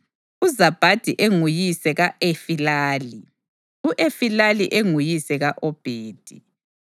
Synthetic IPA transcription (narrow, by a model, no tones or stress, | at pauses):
uzab̥ʱad̥ʱiʔeŋujisɛɣaʔefilaːli | uʔefilaliʔeŋujisɛɣaʔɔb̥ʱeːd̥ʱi